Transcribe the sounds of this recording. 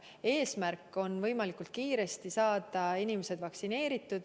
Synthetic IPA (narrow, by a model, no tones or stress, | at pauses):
e̞ːsmærkːˑo̞nvɤjmɑlikult̪̚kiːɾe̞st̪isɑːd̪̥ɑinimese̞d̪̥vɑksine̞ːɾit̪ːˑud̪̥